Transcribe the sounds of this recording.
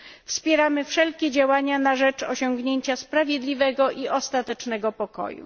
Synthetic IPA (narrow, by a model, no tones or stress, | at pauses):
fspʲjɛɾamɘfʂɛlkʲɛd͡ʑawaɲanaʐɛt͡ʂɔɕɔŋɡɲeɲt͡ɕaspɾavʲjed̪lʲivɛɡɔʔiʔɔst̪at̪ɛt͡ʂnɛɡɔpɔkɔ̰jṵ